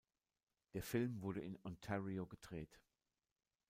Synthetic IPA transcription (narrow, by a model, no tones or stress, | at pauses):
d̥eːɐfɪlmvʊɐɾəɪnɔntʰɛʁioɡədʁeːt